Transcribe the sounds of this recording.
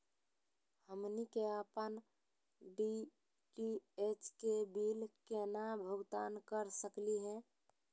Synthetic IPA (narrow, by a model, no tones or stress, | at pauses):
həmnikeəpən | ɖi | ʈiet͡ʃkebiːlkenabʱʊɡt̪aːnkəɾsəkliɦɛ̃